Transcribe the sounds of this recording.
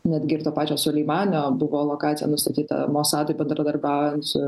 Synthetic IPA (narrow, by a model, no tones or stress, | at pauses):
nʲæd̪ʲɡʲɪɪɾt̪oːpɑːt͡ʃʲoːsʊlʲiɪmɑːnʲoːbʊʋoːlˠoːkɑːt͡s̪sʲɪjɛ̰nʊst̪ɐt̪ʲiːt̪ɐ̰moːsɑːd̪oɪbʲɛnd̪ɾɐd̪ɐɾbʲæˑʊjɛnt̪sʊ